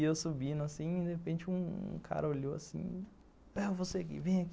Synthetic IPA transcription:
ewsubĩnʊasĩd̪ehepẽnt͡ʃɪũṵ̃kʰa̰ɾɐoʎowa̰sḭ̃ | avoseakḭvẽj̃ak

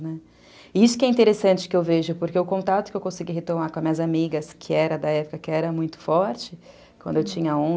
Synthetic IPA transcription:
nɛ | ɪisʊ̥kɪɛĩnt̪eɾesɐ̃nt͡ʃɪ̥kɪewveʒʊpoɾkeʊkõnt̪at̪ʊ̥kɪewkõsiɡiɦet̪omaɾkõɐmĩɲɐzamiɡɐskʰɪɛɾɐd̪ɐɛpʊkɐkɪɛɾɐmũj̃t̪ʊ̥fɔɾt͡ʃɪ | kwɐ̃d̪ʊewt͡ʃĩɲɐõ

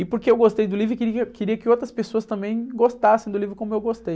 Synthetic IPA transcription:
ɪpoɾkeewɡost̪ejd̪ʊlivɾʊkɪɾiɐkɪɾiɐkɪowt̪ɾɐspesoɐst̪ɐ̃mbẽj̃ɡost̪asẽj̃d̪ʊlivɾʊkõmʊewɡost̪ej

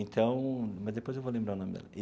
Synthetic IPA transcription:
ẽnt̪ʰɐ̃w̃mɐzd̪epojzewvolẽmbɾaɾunõmɪd̪ɛ̰lɐʔi

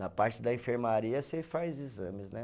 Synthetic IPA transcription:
nɐpaɾt͡ʃɪd̪ɐĩfeɾmaɾiɐsefajzizɐ̃mɪznɛ

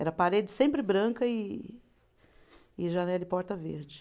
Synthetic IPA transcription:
ɛɾɐpaɾed͡ʒɪsẽmpɾɪbɾɐ̃kɐɪ | ɪʒɐnɛlɐɪpɔɾt̪ɐvḛɾd͡ʒɪ

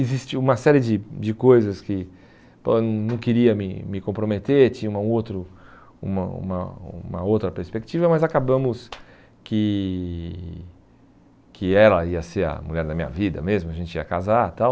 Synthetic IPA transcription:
ɪzist͡ʃɪũmɐsɛɾɪd͡ʒɪd͡ʒɪkojzɐskɪ | po̰nɐ̃w̃nɐ̃w̃kɪɾiɐmɪ̰mɪkõpɾomet̪eɾt͡ʃĩɲũɐũowt̪ɾʊ | ṵ̃mɐ̰ṵ̃mɐũmɐ̰owt̪ɾɐpeɾspek̚t͡ʃivɐmɐzakabɐ̃mʊs | kɪ | kʰɪɛlɐiɐseɾɐ̰muʎɛɾd̪ɐmĩɲɐ̰vid̪ɐ̰mezmʊaʒẽnt͡ʃɪḭɐkazat̪aw

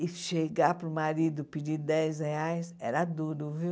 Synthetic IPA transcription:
ɪʃeɡapɾumaɾid̪ʊpid͡ʒid̪ɛjzɣeajsɛ̰ɾad̪uɾuvi

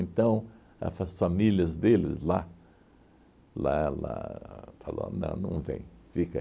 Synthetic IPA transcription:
ẽnt̪ɐ̃w̃ | ɐ̰fɐsfamiljɐzd̪elɪ̰zla | lala̰falõ̰nɐ̰̃w̃nɐ̃w̃vḛ̃j̃fikɐ

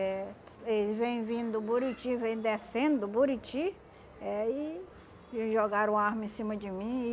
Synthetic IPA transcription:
ɛ | elɪvẽj̃vĩnd̪ʊbuɾit͡ʃivẽj̃d̪esẽnd̪ʊbuɾit͡ʃi | ɛɪ | ʒoɡaɾʊ̃aɾmẽsĩmɐd͡ʒɪmĩɪ

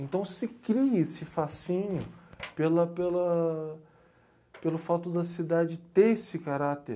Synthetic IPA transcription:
ẽnt̪ɐ̃w̃sɪkɾiɐesɪfasĩɲʊpelɐpelɐ | pelʊfat̪ʊd̪ɐsid̪ad͡ʒɪt̪eesɪkaɾat̪eɾ

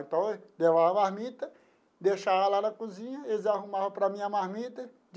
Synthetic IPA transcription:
ẽt̪ɐ̃w̃levaɐmahmit̪ɐ | d̪eʃavɐlanɐkuzĩɲɐelɪzaɦumavɐpɾɐmĩɐmahmit̪ɐ | d͡ʒ

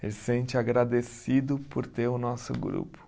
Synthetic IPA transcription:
elɪsẽnt͡ʃɪaɡɾad̪esid̪ʊpoɾt̪eɾʊnɔsʊ̰ɡɾṵpʊ̥

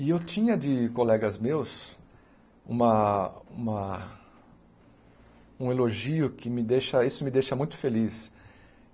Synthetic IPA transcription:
ɪewt͡ʃ̪ĩɲɐd̪ɪkolɛɡɐzmews | ṵ̃mɐũmɐ | ũeloʒiʊkɪmɪd̪ejʃɐisʊmɪd̪ejʃɐmũj̃t̪ʊ̥felis

